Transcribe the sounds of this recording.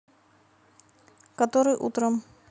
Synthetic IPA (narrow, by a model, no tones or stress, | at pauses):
kɐt̪oɾɨjʔut̪ɾəm